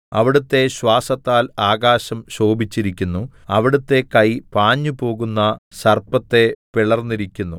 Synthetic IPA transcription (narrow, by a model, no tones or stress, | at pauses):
ɐʋiɽut̪ːe̞ɕwaːsɐt̪ːaːlaːɣaːɕɐmɕo̞ːbit͡ɕːiɾikʲːunːuɐʋiɽut̪ːe̞kɐjpaːɲːupo̞ːɣunːɐsɐrpɐt̪ːe̞piɭɐrnːiɾikʲːunːu